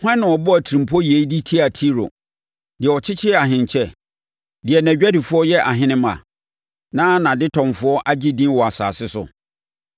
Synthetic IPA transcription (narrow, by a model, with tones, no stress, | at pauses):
hɛ̃˦nʊ̃˨ɔ˨bɔ˦æ˨tʰi˨ɾĩ˨mpʰɔ˦je˨˦i˦di˦tʰi˦a˨tʰi˦ɾo̰˨ | dɪ˨ɛ˨ɔ˨t͡ɕʰɪ˦t͡ɕʰɪ˦ɛ˦a˨ɦɪ̃˨n˨t͡ɕʰɛ˦ | dɪ˨ɛ˨næ̃˨˦æ˦dɪ˨fʊ˦ɔ˦jɛ˦ʔa˨ɦɪ̃˦nɪ̃˦mã̰˨ | nãː˦nã˨dɪ˦tʰɔ̃˨mfʊ˨˦ɔ˦ʔa˦d͡ʑi˦dĩ˦wɔ˨a˨sa̰ː˨sɪ˦sʊ̰˨